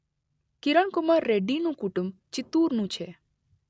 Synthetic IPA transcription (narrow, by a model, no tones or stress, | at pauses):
kɪɾəɳkʊmaɾːeːɖinũkuʈʊmt͡ʃɪt̪uːɾnũːt͡ʃʰe